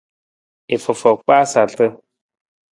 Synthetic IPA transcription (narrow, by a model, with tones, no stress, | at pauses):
e˨fɔ˨fɔ˨k͡paː˦sa˨ɮt̪ə˦